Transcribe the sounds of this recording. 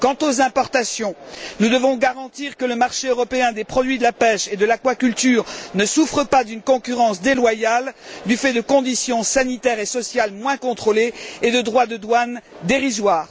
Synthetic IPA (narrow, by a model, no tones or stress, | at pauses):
kɑ̃t̪ozɛ̃pɔʁt̪asjɔ̃nud̪əvɔ̃ɡaʁɑ̃t̪iʁkələmaʁʃeøʁɔpeɛ̃d̪epχɔd̪ɥid̪əlapɛʃed̪əlakwakʲylt̪yːʁnəsufχəpad̪ynkɔ̃kʲyʁɑ̃sd̪elwajald̪yfɛd̪əkɔ̃d̪isjɔ̃sanit̪ɛʁesɔsjalmwɛ̃kɔ̃t̪χoleːd̪əd̪ʁwad̪əd̪wand̪eʁizwaːʁ